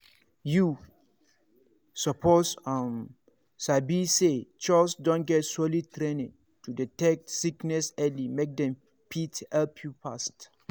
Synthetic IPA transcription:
ju | sɔpʰosam | sabiset͡ʃalsdɔ̃n̚ɡɛtsolitɾẽnĩn | tuditɛk̚tsiknɛsɛlimek̚dɛ̃m | pʰithɛlpʰjupast

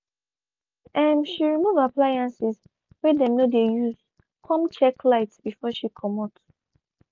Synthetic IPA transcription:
ɛ̃mʃiɹimuvaplajãnsiz | wɛdɛnodejuz | kʰɔ̃mt͡ʃɛklaɪtsb̥ifɔʃikʰɔmɔt

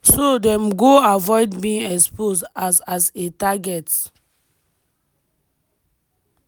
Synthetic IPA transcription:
sodɛ̃mɡoavɔɪdbĩɛksposasasetaɡɛt

